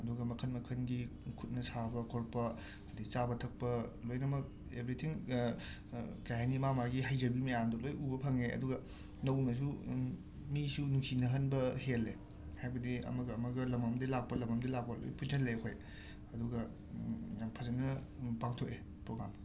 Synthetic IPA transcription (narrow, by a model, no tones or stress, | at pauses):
ɐduɡɐmɐkʰɐnmɐkʰɐnɡikʰut̚nɐsabɐkʰoɾpɐ | ɐdit͡ʃabɐtʰɐk̚pɐlojnɐmɐk̚ | ebɾitʰiŋ | kajɦanimamaɡiɦajzɐbimɐjamdɐlojubɐpʰɐŋeʔɐ̰duɡɐ | nɐwnɐs̬u | misunuŋsinɐɦɐnbɐhele | hajbɐdiɐ̰mɐɡɐːmɐɡɐlɐmɐmdilak̚pɐlɐmɐmdɐlak̚pɐlo̰jpʰut̚nɐlejkʰoj | ɐduɡɐ | pʰɐzɐnɐ | paŋtʰoke | pɾoɡɾa̰m